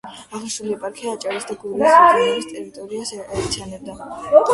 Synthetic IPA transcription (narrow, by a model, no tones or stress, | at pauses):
aʁnisuliɛpʼaɾkʰiaːt͡ʃʼaɾisd̪aɡuɾasɛist̪ʼɛɾit̪ʼɔɾiasaɾt̪sʰianɛb̚d̪a